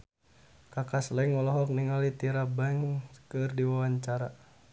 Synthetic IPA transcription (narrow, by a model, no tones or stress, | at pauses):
kakaslaiŋɔlɔɦɔk̚niŋalit̪iɾabaŋkɨrdiwawaɲt͡ʃaɾa